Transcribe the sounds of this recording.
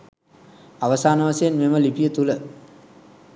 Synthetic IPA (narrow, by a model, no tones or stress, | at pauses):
aʋəsaːnəʋasejnmeməlipijət̪ulə